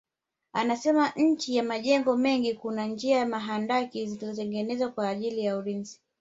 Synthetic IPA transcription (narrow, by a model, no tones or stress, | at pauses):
anasɛmaɲ̩t͡ʃijamaʄɛŋɡɔmɛŋɡikunand͡ʒiajamaɦandakizilizɔtɛŋɡɛnɛzwakwaːʄilijaulinzi